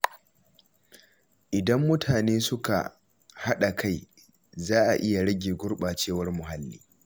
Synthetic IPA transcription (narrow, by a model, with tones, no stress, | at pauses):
ʔɪ˨dɐ˦mːʊ˦tʰaː˨neː˦sʊ˦ka̰˨ | ha˦ɗa˨kʰa˦˨j | zaː˦ʔa̰˨ʔɪ˦ja˨ɽɐ˦ɡʲeː˨ɡʷʊ˦rɓaː˨t͡ʃeː˦˨wɐ˦rmʊ˨ɦa˦lːḭː˦